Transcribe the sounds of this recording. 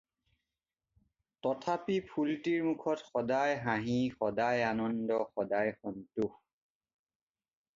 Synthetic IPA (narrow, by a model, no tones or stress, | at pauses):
tɔtʰapipʰultiɹmukʰɔtxɔdajɦãɦixɔdajanɔndɔxɔdajxɔntux